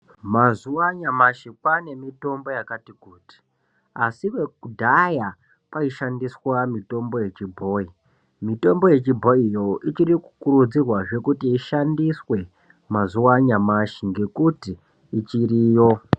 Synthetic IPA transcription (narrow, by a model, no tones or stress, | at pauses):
mazuwaɲamaʃikwane̞mito̞mbo̞jakatikuːti̥ | asiʋe̞kudʱaja | paiʃandiswamito̞mbo̞je̞t͡ʃibʱo̞i | mito̞mbo̞je̞t͡ʃibʱo̞ijo̞it͡ʃiriku̥kuɾud͡zirwaʐe̞kutiːʃandiswe̞ | mazuwaɲamaʃiŋɡe̞kutiː | t͡ʃiɾiːjo̞